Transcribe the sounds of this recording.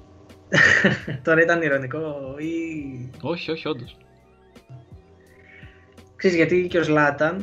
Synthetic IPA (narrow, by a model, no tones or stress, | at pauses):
t̪o̞ɾɐit̪ɐniɾo̞niko̞i | o̞çioçio̞nd̪os | kseizʝɐt̪iceo̞zlɐt̪ɐn